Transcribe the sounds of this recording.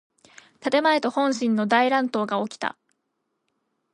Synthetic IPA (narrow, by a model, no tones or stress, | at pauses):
t̪at̪e̞mae̞t̪o̞hõ̞ɰ̃ɕĩnːo̞d̪aiɾãnt̪o̞ːɡaokʲi̥t̪a̰